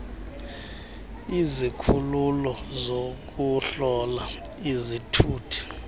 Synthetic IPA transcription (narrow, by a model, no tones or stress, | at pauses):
izikʰululɔzok̬ʼuɬɔlaizitʰuːtʰi̥